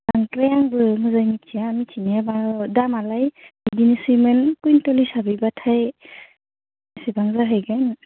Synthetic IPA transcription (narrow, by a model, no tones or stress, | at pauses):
aŋtɾajaŋbɯmɯzajmitʰijaːmitʰiniabadamalajbidinisɯmɯnkujntɔlisabibatʰaj | isibaŋzaɦɯjɡan